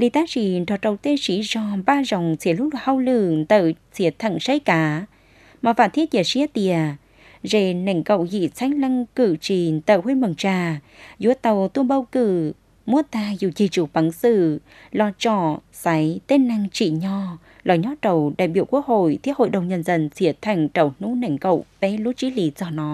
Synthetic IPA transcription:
lḭ˧˨t̪aː˨˦˥t͡ɕi˧˩tɔ˨˩t̚tə˨˩wt̪e˧si˨˦zɔ˧˩ɓaː˧zɔ˨˩wŋ͡msʰi˨˦əlʊ˦˥ɗ̚ha˧wlɨ˧˨t̪ə˧˨wtʰi˨˦ət̪ʰə̰˧˨ŋsə˧˦jkaː˨˦ | maː˨˩va̰ː˧˨nt̪ʰi˦˥ət̚ɲə˨˧˩si˧˦ət̪i˧˨ə | ze˧˩na˨˧˩ŋkə̰˧˨wɣḭ˧˨sʰa˧˦jŋ̟lə˧ŋkɨ˧˨t͡ɕi˧˩t̪əː˧˨whwe˧mə˨˩ŋt͡ɕaː˧˩ | zu˧˦ət̪ə˨˩wt̪u˧ənɓə˧wkɨ˧˩ | mu˧˦ət̪aː˧˩zu˧˩t͡ɕi˨˩t͡ɕu˨˩˦pa˨˦ŋsɨ̰˧˨ | lɔ˧t͡ɕɔ˧˩ | sa˨˦jt̪e˧˦nnːa˧ŋt͡ɕḭ˧˨ɲɔ˧ | lɔ˨˩jɲɔ˨˦t̪ə˨˩wɗa̰ː˧˨jɓi˧əku˦˥ək̚ho̰˧˨jt̪ʰi˦˥əho̰˧˨jɗə˨˩wŋ͡mɲə˧˩nzə˧˩nsi˨˦ət̪ʰa˧˩jŋ̟t͡ɕə˨˩wnu˧˥na˧˩jŋ̟kə̰˧˨wpɛ˨˦lu˨˦˥t͡ɕi˨˦li˨˦zɔ˧˩nɔ˨˦

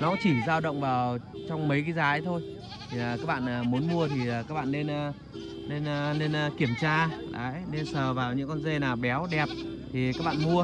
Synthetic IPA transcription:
nɔ˨˦t͡ɕi˧˩zaː˧wɗə̰˧˨wŋ͡mvaː˨˩wt͡ɕɔ˧wŋ͡mmə˨˦jka˨˦zaː˨˦jt̪ʰo˧j | t̪ʰi˨˩˨kaː˦˥k̚ɓa̰ː˧˨na˨˩mu˨˦ənmu˧ət̪ʰi˨˩˨kaː˦˥k̚ɓa̰ː˧˨nːe˧n˧ | ne˧n˧ne˧n˧ki˧˩əmt͡ɕaː˧laː˨˦jne˧nsəː˨˩vaː˨˩wɲɨ̰˧˥ŋkɔ˧nze˧naː˨˩wɓɛ˨˦wɗɛ˨˩p̚ | t̪ʰi˨˩kaː˦˥k̚ɓa̰ː˧˨nmu˧ə

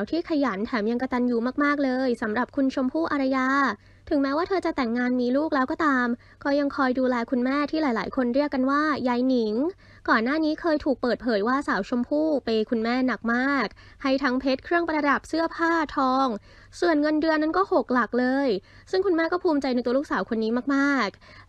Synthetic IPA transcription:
wt̪ʰiː˥˩kʰa˧ja˩˦nt̪ʰɛː˩˦mja˧ŋka˧t̪a˧njuː˧maː˥˩k̚maː˥˩k̚lɤː˧jsa˩˦mɾa˨˩p̚kʰu˧nt͡ɕʰo˧mpʰuː˥˩ʔa˧ɾa˧jaː˧ | t̪ʰɯ˩˦ŋmɛː˦˥waː˥˩t̪ʰɤː˧t͡ɕa˨˩t̪ɛ˨˩ŋːaː˧nmiː˧luː˥˩k̚lɛː˦˥wkɔː˥˩t̪aː˧m | kɔː˥˩ja˧ŋkʰɔː˧jduː˧lɛː˧kʰu˧nmɛː˥˩t̪ʰiː˥˩laː˩˦jlaː˩˦jkʰo˧nɾi˥˩əkːa˧nwaː˥˩ja˧jni˨˩˦ŋ | kɔː˨˩nːaː˥˩niː˦˥kʰɤː˧jt̪ʰuː˨˩k̚pəɤː˨˩t̪̚pʰɤː˩˦jwaː˥˩saː˩˦wt͡ɕʰo˧mpʰuː˥˩pa˧jkʰu˧nmɛː˥˩na˨˩k̚maː˥˩k̚ | ha˥˩jt̪ʰa˦˥ŋpʰe˦˥t̪̚kʰɾɯ˥˩əŋpɾa˧da˨˩p̚sɯ˥˩ɐpʰaː˥˩t̪ʰɔː˧ŋ | su˨˩ənŋɤ˧ndɯ˧əna˥nkɔː˥˩ho˨˩k̚la˨˩k̚lɤː˧j | sɯ˥˩ŋkʰu˧nmɛː˥˩kɔː˥˩pʰuː˧mt͡ɕa˧jna˧t̪u˧luː˥˩ksaː˩˦wkʰo˧nːiː˦˥maː˥˩k̚maː˥˩k̚

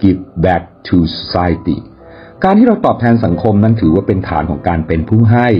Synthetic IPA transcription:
ki˦˥p̚bɛː˦˥k̚t̪ʰu˧so˧saː˧jt̪ḭ˨˩ | kaː˧nt̪ʰiː˥˩ɾa˧wt̪ɔː˨˩p̚t̪ʰɛː˧nsa˩˦ŋkʰo˧mna˦˥nt̪ʰɯː˩˦waː˥˩pe˧nt̪ʰa̰ː˩˦nkʰɔː˩˦ŋkaː˧npe˧npʰuː˥˩ɦa˥˩j

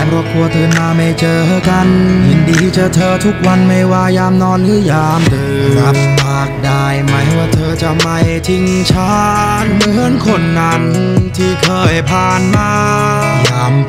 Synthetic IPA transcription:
pʰɾɔ˧˩kʰu˧ɐt̪ʰɤː˧maː˧ma˧˩jt͡ɕɤː˧t̪ʰa˧˩ka˧nhi˨˧˩ndiː˧t̪ʰiː˧˩t͡ɕa˧t̪ʰɤː˧t̪ʰu˦˥k̚wa˧nma˧˩jwaː˧jaː˧mnɔː˧nkʰɯː˧˩˨jaː˧mt̪ʰɯː˧ɾa˦˥p̚maː˧˩k̚daː˧˩jmaː˨˦jha˧˩jwaː˧˩t̪ʰɤː˧t͡ɕa˧˩ma˧˩jt̪ʰi˧ŋ | t͡ɕʰaː˦˥˦ | nmɯ˧˥˧ɯ˦˥˦nkʰo˧˩nːaː˧˩nhɯ˧nt̪ʰiː˧˩kʰɤː˧˩jpʰaː˧nmaː˧ | jaː˧˩m

